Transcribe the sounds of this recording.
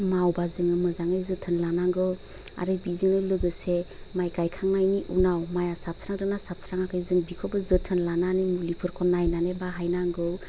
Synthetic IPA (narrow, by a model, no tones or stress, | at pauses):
mawbazɯŋɯmɯzaŋɯjzɯtʰɯnlanaŋɡɯw | a̰ɾɯbizɯnɯlɯɡɯse | majɡajkʰaŋnajniʔunawmajasap̚sɾaŋdɯnasap̚sɾaŋakʰɯjzɯŋbikʰɔbɯzɯtʰɯnlananimulipʰɯɾkʰɔnajnanebaɦajnaŋɡɯw